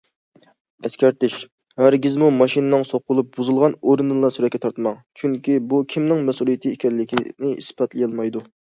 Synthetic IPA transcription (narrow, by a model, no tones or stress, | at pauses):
ɛskʲæɾt̪ɪʃ | hæɾɡʲizmumɑʃinɨnɨŋsoqʊlˠup̚b̥uzɨlˠʁɑnoɾɨnɨnlˠɑsyɾɛt̪kʰʲːɛt̪ʰɑɾt̪ʰɨmɑŋt͡ʃʰyŋkʲibukʲʰimnɪŋmɛsulˠijet̪ʰɨekʲɛlːɪkʲinɪḭspɑt̪lɪjɑlˠmɑjd̪u